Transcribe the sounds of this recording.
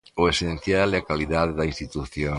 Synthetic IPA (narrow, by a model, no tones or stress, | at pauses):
ʊesẽn̟θjalɛakaliðaðeðɐinst̪it̪uθjõ